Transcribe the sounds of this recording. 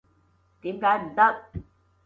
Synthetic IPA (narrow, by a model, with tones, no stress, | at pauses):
t̪iː˨˥mkaː˨˥jm̩˨˩t̪ə˦˥t̚